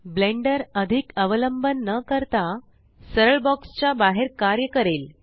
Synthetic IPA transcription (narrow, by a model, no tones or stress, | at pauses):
blẽɳɖəɾəd̪ʱikəʋələmbənːəkəɾt̪a | səɾəɭbɔkst͡ɕabaɦeɾkaɾjəkəɾel